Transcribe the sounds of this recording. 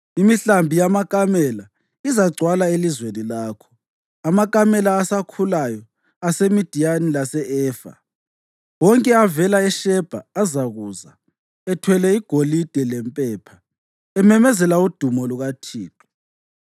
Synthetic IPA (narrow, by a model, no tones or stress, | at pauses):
imiɬambʱijamakʼamɛla | izaɡ͡ǀʱwalaelizwenilaːkʰɔ̥ | amakʼamɛlaːsakʰulajɔ | asemid̥ʱijanilasɛʔɛːfa̰ | wɔŋkʼɛavɛlaɛʃɛb̥ʱaːzaɣuːza | ɛtʰwɛlɛiɡ̥ʱolid̥ʱɛlɛmpʼɛːpʰa | ɛmɛmɛzɛlaud̥ʱumɔluɣatʰiːtʰʼɔ̥